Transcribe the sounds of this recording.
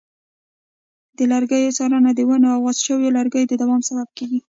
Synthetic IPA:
d̪̥əlaɾɡajosɑɾanad̪əwanaaɣɑzʃəwjolaɾɡəjd̪əd̪awɑmsabab̚keɡi

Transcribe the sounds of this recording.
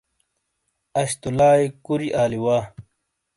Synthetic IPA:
ɐɕt̪ulaːjkuɾiʔaːliwaː

